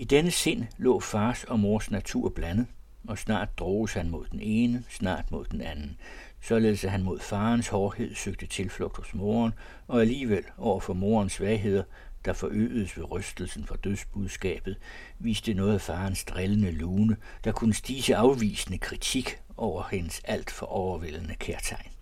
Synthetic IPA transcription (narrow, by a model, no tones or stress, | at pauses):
id̥enəse̝n̰lɔ̰̽ːfɑ̈ːsɒ̽mo̝ɐsnæt͡sʰṵɐ̰b̥lænəð̩ˠ | ɒ̽snɑ̰̈ːd̥̚d̥ʁɔːʊshænmo̝ð̞̰ˠd̥ene̝ːnəsnɑ̰̈ːd̥mo̝ð̞̰ˠd̥enænn̩ | sɒ̽le̝ðˠsæɦænmo̝ðˠfɑ̈ːnshɒːhe̝ð̞̰ˠsøɡ̥̚d̥ət͡sʰe̝lflɔ̽ɡ̥d̥hɔ̽smo̝ɐn | ɒ̽æliːʋel̰ɒʊ̰ɐfɒ̽mo̝ːɐnsʋɛɪɦe̝ð̰ˠɐ | d̥ɑ̈fɒ̽ʔø̰ːð̩ˠəsʋe̝ʁœsd̥l̩sn̩fɒd̥øðˠsb̥uðˠsɡ̥ɛ̰ːb̥ð̞̩ˠ | ʋiːsd̥ənɔ̽ːð̩ˠæfɑ̈ːnsd̥ʁelənəluːnəd̥ɑ̈kʰunəsd̥iːsəɑ̈ʊʋḭːsənəkʰʁit͡sʰiɡ̥ | ʔɒʊ̰ɐhe̝nəsæl̰d̥fɒ̽ʔɒʊɐʋe̝lnəkʰeɐt͡sʰɑ̈ɪn